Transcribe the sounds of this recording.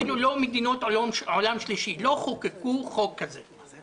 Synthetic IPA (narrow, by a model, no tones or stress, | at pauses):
lulomed̪inot̪omʕolamʃliʃilo̞χokekuχokːaze